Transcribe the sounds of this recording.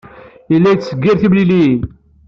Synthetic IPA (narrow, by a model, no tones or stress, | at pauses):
ilːæjt͡sːsəɡːiɾθimlili